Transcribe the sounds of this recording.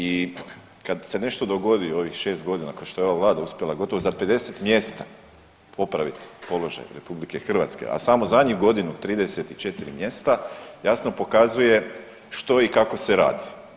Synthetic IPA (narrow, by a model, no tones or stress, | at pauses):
i | kad̪se̞ne̞ʃt̪o̞d̪oɡo̞d̪io̞ʋixʃe̞ːst̪ɡo̞d̪inakoʃt̪o̞eo̞ʋaʋlˠaːd̪auspje̞lˠaɡo̞t̪o̞ʋozape̞d̪e̞set̪mje̞st̪a | pʰo̞pɾaʋit̪po̞lo̞ʒa̰jɾe̞publike̞xr̩ʋa̰t̪skḛʔa̰samo̞zadɲuɡo̞d̪inut̪ɾiːd̪e̞set̪it͡ʃe̞t̪iɾimje̞st̪ajasno̞po̞kazuje̞ | ʃt̪o̞ikako̞seɾa̰ːd̪i